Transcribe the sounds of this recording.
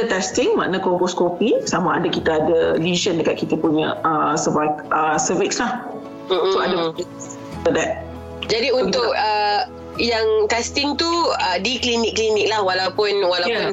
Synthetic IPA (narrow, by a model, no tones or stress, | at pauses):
ət̪ɛst̪ɪŋma̰ʔnakɔpɔskopisamaːdakit̪aːdəliʒəndəkat̪̚kit̪apuɲa̰əsəvakəsəvikslah | m̩msoaddam | ədɛt̪̚ | d͡ʒadiũnt̪ʊkə | jaŋt̪ɛst̪ɪŋt̪uədiklinɪkːlinɪk̚lahwalawpʊnwalajaʊn